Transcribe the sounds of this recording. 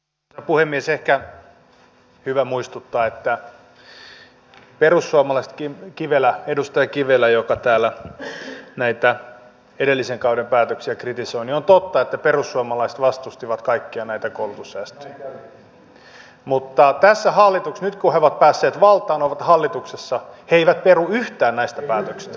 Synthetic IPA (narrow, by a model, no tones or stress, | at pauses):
puhemːiesehkæ | hyʋæmuist̪ut̪ːɑːet̪ːæ | perusːuɑmɑlɑist̪kikiʋelæedust̪ɑjɑkiʋelæjokɑt̪æːlːˑæ | næit̪æ | edelːiseŋkɑudempæːt̪øksiækrit̪isoiniont̪ot̪ːɑet̪ːæperusːuɑmɑlɑise̥t̪ʋɑst̪ust̪iʋɑt̪kɑikːiɑnæit̪ækolut̪usːæːst̪ø̥jæ | mut̪ːɑt̪æsːæhɑlːit̪uksnyt̪kuheoʋɑt̪̚pæːsːeːt̪ʋɑlt̪ˑɑːnoʋɑt̪hɑlːit̪uksesːɑheeiʋæt̪̚peruyht̪æːnnæist̪æpæːt̪øksi̥st̪æ̥